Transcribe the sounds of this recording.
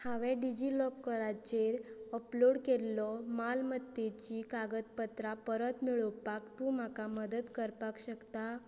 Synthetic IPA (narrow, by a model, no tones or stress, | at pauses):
haʋɛ̃ɖid͡ʑilɔpkəɾat͡ɕeɾəploɽkelːɔmalməd̪et͡ɕikaɡət̪̚pət̪ɾapəɾət̪miɭəwpakt̪ũːmakaməd̪ət̪kəɾpakɕəkt̪a